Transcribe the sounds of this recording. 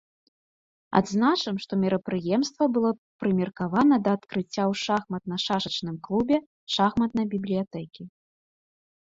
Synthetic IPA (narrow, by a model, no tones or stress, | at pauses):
a̰d̪znat͡ʂɐmʂt̪ɔmʲɛɾɐpɾɨjɛmst̪vɐbɨlˠɔpɾɨmʲɛrkavanɐd̪ɐːt̪kɾɨt͡sʲːawʂaxmɐt̪̚nɐʂaʂɐt͡ʂnɨmklˠubʲɛ | ʂaxmɐt̪̚nɐjbʲiblʲijat̪ɛkʲi